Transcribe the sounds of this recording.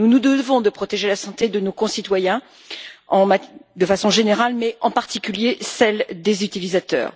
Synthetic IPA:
nunud̪əvɔ̃d̪əpχɔt̪eʒelasɑ̃t̪ed̪ənokɔ̃sit̪wajɛ̃ | ɑ̃mad̪əfasɔ̃ʒeneʁalmɛʔɑ̃paʁt̪ikʲyljesɛld̪ezyt̪ilizat̪œ̰ːʁ

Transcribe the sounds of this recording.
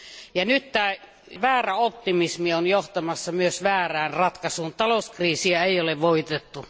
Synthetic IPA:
jɑnyt̪tæː | ʋæːræopt̪imismionjoht̪ɑmɑsːɑmyøsʋæːræːnrɑt̪kɑsuːnt̪ɑlouskriːsiæeˑioleʋʋoit̪et̪ːu

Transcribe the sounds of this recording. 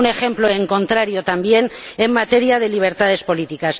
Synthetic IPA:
ne̞xe̞mplo̞e̞ŋko̞nt̪ɾaɾjo̞t̪ambje̞nemːat̪e̞ɾiað̞e̞liβ̞e̞ɾt̪að̞e̞spo̞lit̪ikas

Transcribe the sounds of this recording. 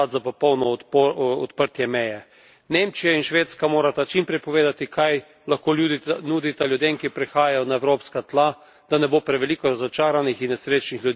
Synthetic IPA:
at̪zapɔpɔwnɔ | ɔ̰t̪pəɾt̪jɛmɛjɛ | neːmt͡ʃijainʃʋeːt̪skamoːɾat̪at͡ʃimpɾɛjpɔʋeːd̪at̪ikʰaj | laxkoːlud̪nuːd̪it̪aljud̪eːmkipɾɛxaːjajɔnaɛwɾoːpskat̪la | d̪̥anɛboːpɾɛʋɛlikɔɾazɔt͡ʃaːɾanixinːɛsɾeːt͡ʃnixlʲjud̪

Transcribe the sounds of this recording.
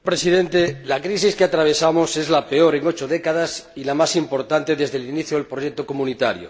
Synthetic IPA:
pɾesiðẽ̞nt̪elakɾis̬iskeat̪ɾaβ̞e̞samose̞zlapeoɾe̞ŋo̞t͡ʃoðekaðasilamasimpo̞ɾt̪ant̪eðezðeliniθjoðelpɾoʝek̚t̪okomũnit̪aɾjo̰

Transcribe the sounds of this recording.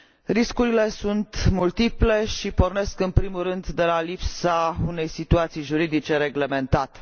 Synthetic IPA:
ɾiskuɾile̞sunt̪mult̪iple̞ʃiporne̞skɨnpɾimurɨnd̪d̪e̞lalipsaune̞jsit̪uat̪sijʒuɾid̪it͡ʃe̞ɾe̞ɡle̞me̞nt̪at̪e̥

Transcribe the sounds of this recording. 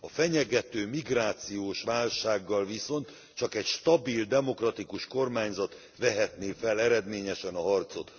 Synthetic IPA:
ɒfɛɲɛɡɛt̪øːmiɡraːt̪sijoːʃʋaːlʃaːɡːɒlviso̞nt̪ | t͡ʃɒkɛcʃt̪ɒbild̪ɛmo̞krɒt̪ikuʃko̞rmaːɲzɒt̪ | ʋɛɦɛt̪neːfɛlɛɾɛd̪meːɲɛʃɛnɒɦɒrt̪so̞t̪

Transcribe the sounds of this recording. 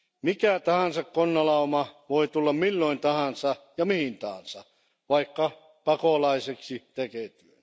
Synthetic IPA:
mikæt̪ɑhɑnsɑkkonːɑlɑomɑʋoit̪ulːɑmmilːoint̪ɑhɑnsɑjɑmihint̪ɑhɑ̰nsɑ | ʋɑikːɑ | pɑkolɑiseksit̪ekeːt̪yøn

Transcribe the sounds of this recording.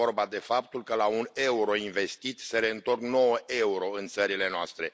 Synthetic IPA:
o̞rbad̪e̞fap̚t̪ulkəlaune̞uɾo̞inve̞st̪it̪se̞ɾe̞ɨnt̪o̞rkno̞wəʔe̞uɾo̞ɨnt̪səɾile̞noa̰st̪ɾe̞

